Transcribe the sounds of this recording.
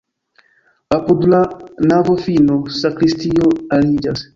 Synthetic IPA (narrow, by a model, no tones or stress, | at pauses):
apud̪lanavofinosakɾistioalid͡ʒas